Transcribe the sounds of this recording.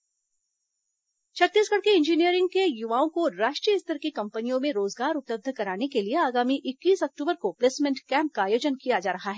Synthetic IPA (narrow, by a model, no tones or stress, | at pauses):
t͡ʃʰɐt̪ːiːsɡɐɽkeɪ̃nd͡ʒinijəɾɪ̃ŋɡkejʊʋaːõkoɾaːʃʈɾijəɪst̪ʰəɾkikɐ̃mpənijõmẽɾoːzɡaːɾʊpləb̚d̪ʱkɐɾaːnekelieaːɡaːmiʔɪkːiːsɐk̚ʈuːbəɾkopleːsmɪ̃ɳʈkɛ̃ːmp̚kaaːjoːd͡ʒənkijad͡ʒaːɾɐɦaɦɛː